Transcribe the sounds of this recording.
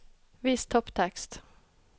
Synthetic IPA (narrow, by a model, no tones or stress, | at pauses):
ʋiːst̪ʰɔpt̪ʰɛkst̪